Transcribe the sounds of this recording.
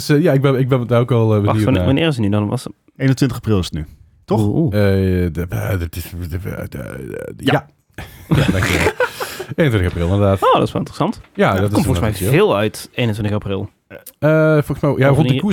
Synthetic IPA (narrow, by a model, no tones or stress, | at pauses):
səjaɪɡ̚bɛnɪɡ̚bɛnətdaːokɑlˠəʋəniʋanɪːɹzənydɔnʋɑs | ejnəntʋɪntəxaprɪlˠɪsə̥tny | tɔxə̰ | ətɪs | jaa | jadɑŋkʋɛlejnəntɪntəxaprɪlˠɪndəʁdaːtoːdɑtsʋɛ̰lˠɪntrəsɑntjadɔttɪɔmffɔɣəsmɛjvɪːlˠœɥtejnəntʋɪntxaprɪlˠ | əfɔlˠɣəsmɛjjarɔndəku